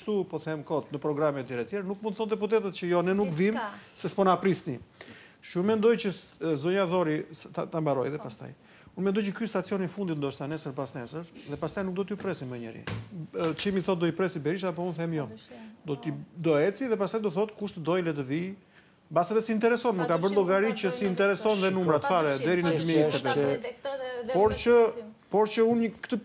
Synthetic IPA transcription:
ʃt̪upɔθɛmkɔt̪nəpɾɔɡɾamiɛt̪jɛɾɛt̪jɛɾanukmund̪θɔnd̪ɛp̬ut̪̬ɛt̪ət̪t͡ʃəjɔnɛnukvimsɛspɔnapɾisni | ʃunmɛnd̪ɔjt͡ʃəzɔɲaðɔɾit̪at̪ambaɾɔjðɛpast̪a̰j | unmɛnd̪ɔjt͡ʃəkyst̪at̪t͡siɔnifund̪it̪nd̪ɔʃt̪anɛsəɾbasnɛsəɾðɛpast̪ajnuk̚d̪ɔt̪əjupɾɛsimɛɲəɾḭ | t͡ʃimiθɔt̪̚d̪ɔipɾɛsibɛɾiʃ̬apɔunθɛmjɔd̪ɔt̪id̪ɔɛt͡siðɛpast̪ajd̪ɔθɔt̪kuʃt̪əd̪ɔjlɛt̪əvi | basɛðɛsiːnt̪ɛɾɛsɔnməkabəɾnlɔɡaɾicəsiːnt̪ɛɾɛsɔnðɛnumɾat̪ə̥faɾɛd̪ɛɾinəd̪ymiɛsɛpɛsɛ | pɔɾt͡ʃə | pɔɾt͡ʃəunəkt̪ə

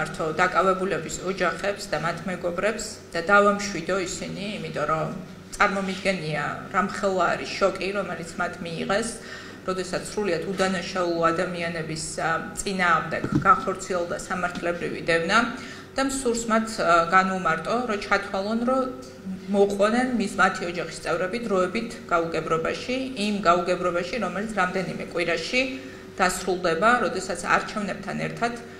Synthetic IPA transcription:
aɾt̪ʰɔd̪akʼavɛbulɛbisɔd͡ʒaχɛpsd̪amat̪ʰmɛɡɔbɾɛps | d̪̥ad̪avamʃwid̪ɔisiniːmit̪ʼɔɾɔ | tt̪sʼaɾmɔmid̪ɡɛnia̰ɾamχɛlˠaɾiʃɔkʼiɾɔmɛlit̪sʰmat̪ʰmiːʁɛs | ɾɔd̪ɛsat̪ssːɾuliat̪ʰud̪anaʃaulˠɔad̪amianɛbist̪sʼinaːʁmd̪ɛɡɡanχɔɾt̪sʰiɛlˠd̪asamaɾt̪ʰlɛbɾivḭd̪ɛvna | d̪̥amsuɾsmat̪ʰɡanumaɾt̪ʼɔɾɔt͡ʃʰat̪ʰwalˠɔnɾɔ | mɔqʼɔnɛnmismat̪ʰiɔd͡ʒaχist̪sʼɛvɾɛbid̪ɾɔɛbit̪ʰɡ̥auɡɛbɾɔbaʃiimɡauɡɛbɾɔbaʃiɾɔmɛlit̪sʰɾamd̪ɛnimɛ̰kʼwiɾaʃi | d̪̥asɾulˠd̪ɛbaɾɔd̪ɛsat̪sʰa̰ɾt͡ʃʰɛvnɛb̚t̪ʰanɛ̰ɾt̪ʰad̪̥

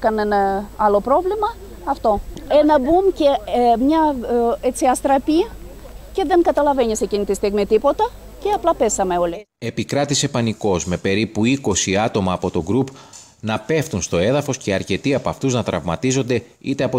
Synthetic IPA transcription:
kɐnenɐɐlo̞pɾo̞vlimɐ | ɐft̪o̞enɐbumcemɲɐet͡siɐst̪ɾɐpiɐ | ce̞ðe̞ŋkɐt̪ɐlɐve̞ɲisecinit̪ist̪iɣmit̪ipo̞t̪ɐ | ceɐplɐpe̞sɐme̞o̞li | e̞pikɾɐt̪ise̞pɐniko̞zme̞pe̞ɾipuiko̞siɐt̪o̞mɐːpo̞t̪o̞ɡɾup | nɐpe̞ft̪unst̪o̞e̞ðɐfo̞sce̞ɐɾce̞t̪iɐpoɐft̪uznɐt̪ɾɐvmɐ̰t̪izo̞nd̪e̞ | it̪e̞ɐpo

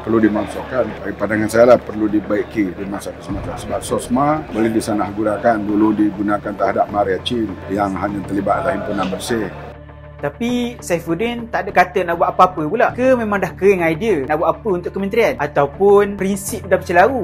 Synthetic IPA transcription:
pərludimaŋsakanaɡipanaŋansajalahpərludibaiʔkidimasat̪usəmat͡ʃamsəbap̚sɔsmaboledisanahɡunakanduludiɡunakant̪əɦadap̚maɾiat͡ʃinjaŋɦaɲat̪ərlibat̪lahimpunanbərsɪh | t̪apisafudint̪aʔdakat̪ənaʔbuaʔapəapəpulaʔkəmẽmãŋdahkəɾɪŋajdiənaʔbwaʔapəunt̪ʊʔkəmənt̪ɾianat̪awpʊnpɾinsip̚dap̚t͡ʃəlaɾu

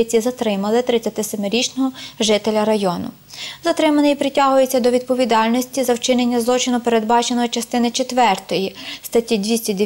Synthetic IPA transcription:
ɪt͡sʲizɐt̪ɾɪmɐlˠɪt̪ɾɪt͡sʲɐt̪ɪsɔmɪɾʲit͡ʃnɔɦɔʒɪt̪elʲɐɾɐjɔnʊ̰ | zɐt̪ɾɪmɐnɪjipɾɪtʲɑɦʊjet͡sʲːɐd̪ɔʋʲid̪̚pɔʋʲid̪ɑlʲnɔsʲtʲizɐwt͡ʃɪnenʲːɐzlˠɔt͡ʃɪnʊpeɾe̞d̪bɑt͡ʃenɔɦɔt͡ʃɐst̪ɪnɪt͡ʃet̪ʋɛrt̪ɔjist̪ɐtʲid̪ʋʲisʲtʲid̪e

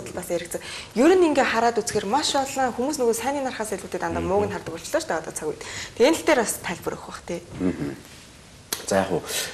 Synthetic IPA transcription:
t̪ə̆ɮpaseɾɘ̆kt͡sɘ̆ŋjɵɾɘ̆niŋɡeːχaɾaːt̪ut͡sxeːrmaʃɔɮăːŋxumuːsnɵɣoːsæːniːnarχaːsæɮʲuːt̪eːt̪ant̪aːmʊːɣɘ̆nχart̪ə̆kɔɬt͡ɕ̆ɮɔːt͡ɕt̪æʁɔːt̪ə̆t͡sʰaɣujt̪t̪ʰenɘ̆ɬt̪eːɾast̪ʰæɮʲpə̆ɾɵ̰xə̆χt̪ʰeːm̩ːɦə | t͡sæːχʊ̰ː

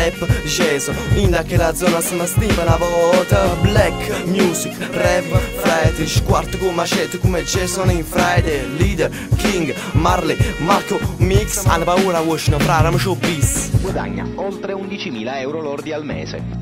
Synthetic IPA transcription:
ɛpːd͡ʒɛsoind̪akːelad̪zːɔnasəməsniːpənavɔt̪əblɛkːmjuːsikrɛpfɾajt̪iʃkwaɾt̪əkumaʃɛt̪ːəkumet͡ʃːɛsɔninfɾajd̪ɛliːd̪ɛɾ | kiŋɡ | maɾlimaɾkomiksa̰nːəpauːɾawoʃinəfɾaɾaməʃobisɡwad̪a̰ɲːa̰olt̪ɾeund̪it͡ʃimiːlaɛwɾolɔɾd̪ialmɛ̰ːzḛ

